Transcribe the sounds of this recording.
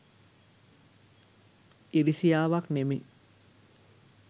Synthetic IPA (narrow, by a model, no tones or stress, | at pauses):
iɾisijaːʋaknemi